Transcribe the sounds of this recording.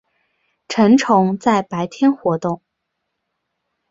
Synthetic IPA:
ʈ͡ʂʰə˧˥nʈ͡ʂʰʊ˧˥ŋt͡sa˥˩ɪpa˧˥ɪt̪ʰjɛ˥nxwɔ˧˥t̪ʊ˥˩ŋ

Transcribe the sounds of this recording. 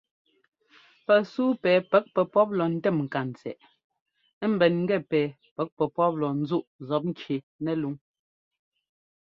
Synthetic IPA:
pɛ˨suː˦pɛː˨pɛ˦k̚pɛ˨pɔ˦p̚lɔ˨n̩˦tɛ˦˨mŋ̩˨ka˨n̩˨t͡sɛ̰˨ʔ | m̩˨bɛ˨nŋ̩˦ɡɛ˦˨pɛː˨ | pɛ˨˦k̚pɛ˨pɔ˦p̚lɔ˨n̩˦zu˦ʔzɔ˨˦p̬̚ŋ̩˦kje˨ | nɛ˨lu˨˦ŋ

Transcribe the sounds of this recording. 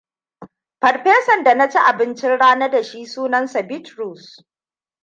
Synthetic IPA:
pɐ˨rɸeː˦sɐ˨nda˨na˦t͡ʃi˦ʔa˨bɪ˦nt͡ʃɪ˦nɽaː˦nɐ˦da˨ʃi˦suː˦nɐ˦nsa˨bɪ˦tɾuː˨s

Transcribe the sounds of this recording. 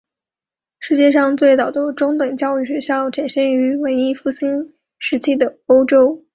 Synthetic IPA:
ʂɻ̩˥˧t͡ɕjɛ˥˧ʂ̬ɑ˥˧ŋt͡swe˥˩ɪt͡sɑ˨˩ʊd̪ə˧˦ʈ͡ʂʊ˥ŋt̪wə˨˩ŋt͡ɕjɑ˥˧ʊy˥˩ɕɥɛ˧˥ɕjɑ˥˩ʊʈ͡ʂʰa˨˩nʂə˥ny˧˥we˧˥ɪi˥fu˥˩ɕi˥n | ʂɻ̩˧˥t͡ɕʰi˥˩d̪ə˩o˥ʊʈ͡ʂo˥ʊ

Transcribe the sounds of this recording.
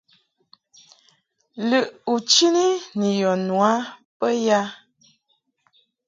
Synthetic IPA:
lə˨ʔu˨t͡ʃi˦ni˦nə˨jɔ˨nwa˨˦pə˦ja˦

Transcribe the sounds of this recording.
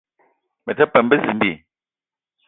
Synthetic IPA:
mɛ˨tɛ˦pɛ˨mbə˦zi˨n˦di˦˨

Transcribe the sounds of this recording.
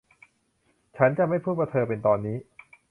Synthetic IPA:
t͡ɕʰa˦˥nt͡ɕa˨ma˥˩jpʰuː˥˩pa˧t̪ʰɤː˧pe˧nt̪ɔː˧nːiː˦˥

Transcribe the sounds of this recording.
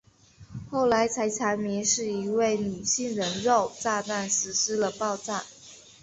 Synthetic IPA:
xo˥˩ʊla˧˥ɪt͡sʰa˧˥ɪt͡sʰa˧˥nmi˧˥nʂɻ̩˥˩i˧˥we˥˩ɪny˨˩ɕi˥˩ŋɻə˧˥nɻo˥˧ʊt͡sa˥˧t̪a˥˩nsɻ̩˧˥ʂ̩˥lə˨pɑ˥˧ʊʈ͡ʂa˥˩n

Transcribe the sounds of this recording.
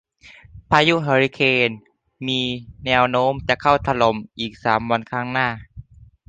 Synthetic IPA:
pʰaː˧ju˦˥ʔɦa˧ɾi˧kʰeː˧n | miː˧nɛː˧wnoː˧˥˨mt͡ɕa˧˨kʰa˥˩wt̪ʰa˧lo˨˦mʔiː˨˩k̚saː˩˦mwa˧nkʰaː˧˥˩ŋnaː˥˩

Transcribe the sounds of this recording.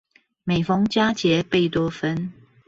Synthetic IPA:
me˨˩ɪfɑ˥˦ŋt͡ɕja˦t͡ɕjɛ˨˦pe˥˨ɪt̪wɔ˥fə˦n

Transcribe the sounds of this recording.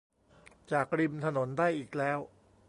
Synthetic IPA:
t͡ɕaː˨˩k̚ɾi˧mt̪ʰa˧no˩˦ndaː˥˩jʔiː˨˩k̚lɛː˦˥w

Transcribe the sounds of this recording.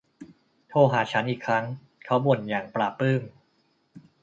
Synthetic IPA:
t̪ʰoː˧ɦaː˩t͡ɕʰa˦˥nʔiː˨˩kʰɾa˦˥ŋ | kʰa˦˥wbo˨˩njaː˨˩ŋpɾaː˨˩pːɯː˥˩m

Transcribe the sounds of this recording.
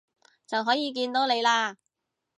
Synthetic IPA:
t͡sɐ˨wɦɔː˨˥jiː˨˧k̬iː˧nt̪o˨˥wne˨˧jlaː˧

